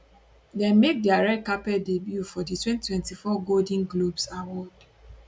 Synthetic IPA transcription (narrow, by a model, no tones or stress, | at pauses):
dɛ̃nmek̚diaɹɛkːapɛdebjufɔditwɛ̃nttwɛ̃ntifɔɡoldĩŋɡlobsawɔd̚